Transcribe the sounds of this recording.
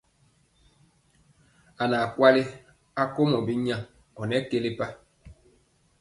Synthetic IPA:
a˨na˨kwa˦li˦ | a˦ko˦mɔ˨bi˦ɲã˦˨ | ɔ˨nɛ˨˦ke˦li˦pa˦

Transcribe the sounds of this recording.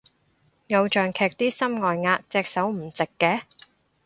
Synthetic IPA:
ŋɐ˨˧wt͡ʃœː˨ŋkʰɛː˨k̚t̪iː˥sɐ˥mŋɔː˨jŋaː˧t̚t͡sɛː˧k̚sɐ˨˥wm̩˨˩t͡sɪ˨kːɛː˧˥

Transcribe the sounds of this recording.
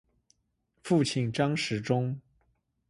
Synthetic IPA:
fu˥˩t͡ɕʰi˥˩nʈ͡ʂɑ˥ŋʂɻ̩˧˥ʈ͡ʂʊ˥ŋ

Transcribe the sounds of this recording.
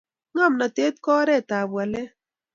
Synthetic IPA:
ŋɔ˦˨mna˨te˦t̚kɔː˦ɾɛ˦˨ta˨bwa˨lɛ˦

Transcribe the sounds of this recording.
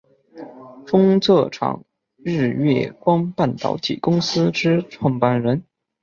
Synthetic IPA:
fʊ˥ŋt͡sʰɤ˥˩ʈ͡ʂʰɑ̰˨˩ŋ | ɻɻ̩˥˧ɥɛ˥˩kwɑ˥ŋpa˥˩nt̪ɑ̰˧˥ʊt̪ʰḭ˨˩kʊ˥ŋsɹ̩˥ʈ͡ʂɻ̩˥ʈ͡ʂʰwɑ˥˩ŋpa˥˩nɻə˧˥n

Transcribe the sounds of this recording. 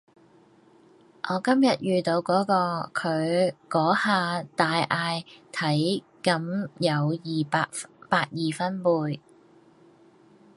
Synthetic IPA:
ʔɔː˨˧kɐ˥mjɐ˨t̚jyː˨t̪o˨˧wkɔː˨˥kɔː˧kʰɵ˨˧ɥkɔː˨˥haː˨˧t̪aː˨jʔaː˧jt̪ʰɐ˨˥j | kɐ˧mjɐ˨˧wjiː˨pːpaː˧t̚jiː˨fɐ˥npuː˧j

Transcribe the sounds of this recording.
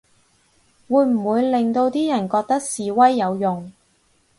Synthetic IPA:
wuː˨˧jm̩˨˩wuː˨˧jlɪ˨ŋt̪o˧wt̪iː˥jɐ˨˩nkɔː˧k̚t̪ɐ˥k̚siː˨˧wɐ˥jːɐ˨˧wjʊ˨ŋ

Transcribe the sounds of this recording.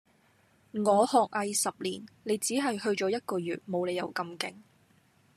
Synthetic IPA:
ŋɔː˨˧hɔː˨k̚ʔɐ˧jsɐ˨p̚liː˨˩nle˨˧jt͡siː˨˥ɦɐ˨jhɵ˧ɥt͡ʃɔː˨˥jɐ˥t̚kɔː˧jyː˨t̚mo˨˧wle˨˧jɐ̰˨˩wkɐ˧mkɪ̰˨ŋ

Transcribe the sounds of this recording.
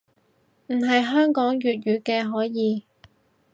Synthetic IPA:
m̩˨˩ɦɐ˨jɦœː˥ŋkɔː˨˥ŋjyː˨t̚ɥyː˨˧kɛː˧ɦɔː˨˥jiː˨˧

